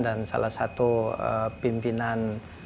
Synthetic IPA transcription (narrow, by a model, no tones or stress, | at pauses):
dansa̰lahsat̪uə̰pimpinan